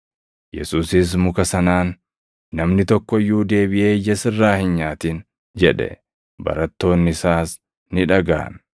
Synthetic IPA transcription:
jɛ̰suːsɪs̬mʊkɐsɐnaːnː | ɐmnɪt̪ɔkːɔjːuːd̪e̞ːbɪʔe̞ːjːɐsɪrːaːhɪnɲaːt̪iːn | d͡ʒɛᶑɛ̰ | bɐ̰ɾɐt̪ːo̞ːnːɪsaːs | nɪᶑɐɡa̰ːn

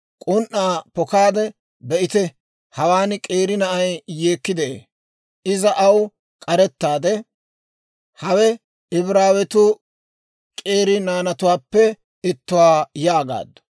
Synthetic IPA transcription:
kʼʊnʔːaːpɔkaːd̪ɛ | bɛʔɪt̪ɛ | hɐwaːnkʼeːɾɪnɐʔɐjjeːkːɪd̪ɛʔḛː | ɪzɐʔɐw | kʼɐɾɛt̪ːaːd̪ɛ | hɐwɛ | ɪbɾaːwɛt̪ʊ | kʼeːɾɪnaːnɐt̪ʊwaːpːɛ | ɪt̪ːʊwaːjaːɡa̰ːd̪ːɔ̥

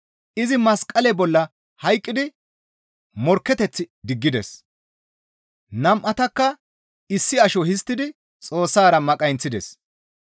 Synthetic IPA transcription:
ʔɪzɪmɐskʼːɐlɛbɔlːɐ | hɐjkʼːɪd̪ɪ | mɔɾkːɛt̪ɛt͡sːɪd̪ɪɡːɪd̪ɛ̰s | nɐmʔɐt̪ɐkːɐ | ɪsːɪɐʃɔhɪs̬t̪ːɪd̪ɪ | t͡sʼo̞ːsːaːɾɐmɐkʼɐjnt͡sːɪd̪ɛs

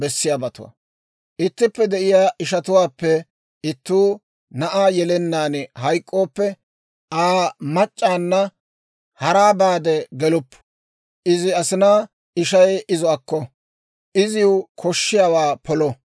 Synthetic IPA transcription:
bɛsːɪjaːbɐt̪ʊ̰wɐ̰ | ʔɪt̪ːɪpːɛd̪ɛʔɪjaːʔɪʃɐt̪ʊwaːpːɛ | ɪt̪ːuː | nɐʔaːjɛlɛnːaːnhɐjkʼːo̞ːpːɛ | aːmɐt͡ʃʼːaːnːɐ | hɐɾaːbaːd̪ɛɡɛlʊpː | ʔɪzɪɐsɪnaː | ɪʃɐjɪzɔɐkːɔ | ʔɪzɪʊkʰɔʃːɪjaːwaːpʰɔlɔ

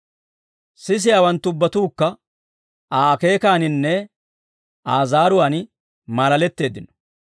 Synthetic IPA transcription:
sɪs̬ɪjaːwɐnt̪ːʊʊbːɐt̪uːkːɐ | aːke̞ːkaːnɪnːɛ | aːzaːɾʊwaːn | maːlɐlɛt̪ːe̞ːd̪ɪnɔ̥

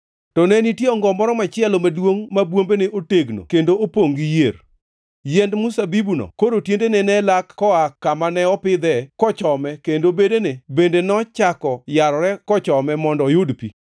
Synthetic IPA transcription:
tɔnɛnitjeɔŋɡɔmɔɾɔmat͡ʃɪɛlɔmadwoŋmabwombeneʔoteɡno̰kendoopoŋɡijeɾ | jɛndmʊsabibunɔ̰koɾotjendenɛnɛlakkɔakːamanɛɔpɪd̪ɛkɔt͡ʃɔmɛkendobedenebendenɔt͡ʃakɔjaɾɔɾɛkɔt͡ʃɔmɛmɔndɔjodpi

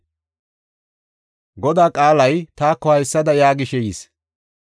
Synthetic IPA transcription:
ɡɔd̪aːkʼaːlɐjt̪aːkːɔhɐjsːɐd̪ɐjaːɡɪʃɛjḭːs

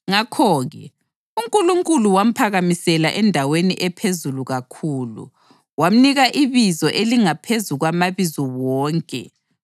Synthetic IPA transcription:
ŋakʰɔːɣɛ̰ | uŋkʼuluŋkʼuluwam̩pʰaɣamisɛlaʔɛndʱaweniʔɛpʰezuluɣakʰuːlṵ | wam̩niɣaʔiβizɔʔeliŋapʰezuɣwamaβizuwɔːŋkʼɛ̰

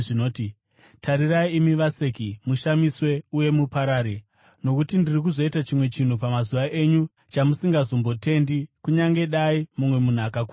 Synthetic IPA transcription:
ʐinoːti | tʰaɾiraiimiʋase̞kimuʃamiswe̞uje̞mupaɾaːɾe | no̞kutindirik̬uzo̞itat͡ʃimwe̞t͡ʃin̤upamazuʋaʔe̞ɲu | t͡ʃamusiŋɡazo̞mbo̞te̞ndikuɲaŋɡe̞ɗaimumwe̞mun̤akakuː

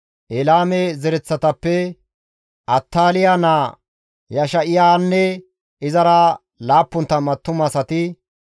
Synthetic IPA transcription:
ʔɛlaːmɛzɛɾɛt͡sːɐt̪ɐpːɛ | ʔɐt̪ːaːlɪjanaː | jɐʃɐʔɪjaːnːɛ | ɪzɐɾɐ | laːpːʊnt̪ːɐmɐt̪ːʊmɐsɐt̪ɪ

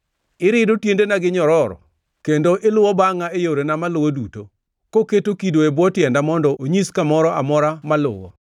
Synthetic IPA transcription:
ɪɾɪdotjendenaɡɪɲɔɾɔɾɔ̰ | kendoʔɪlʊwɔbaŋaejoɾenamalʊwoduto | koketokidoebwɔtjɛndamɔndɔʔoɲiskamɔɾɔʔamɔɾamalʊ̰wɔ̰

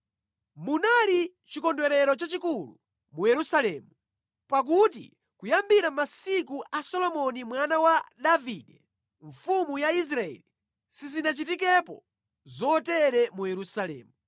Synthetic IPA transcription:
munali | t͡ʃikɔndwɛɾɛɾɔt͡ʃat͡ʃikulṵ | mujɛɾusalɛːmu | pak̬ut̬ḭ | kujambiɾamasikuʔasɔlɔmɔnimwanawaɗaviːɗɛ | ɱfumujais̬ɾaɛ̰li | sizinat͡ʃitik̬ɛpɔ̰ | zɔtɛɾɛmujɛɾusalɛ̰ːmu

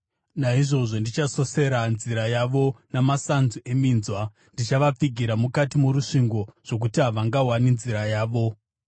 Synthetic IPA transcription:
naiʐo̞ʐo̞ndit͡ʃaso̞se̞ɾanziɾajaʋonamasanzue̞minzwa | ndit͡ʃaʋap͡fiɡʱiɾamukatimuɾuʂiŋɡo̞ʐ̥o̞k̬utiɦaʋaŋɡawaninziɾajaːʋo̞

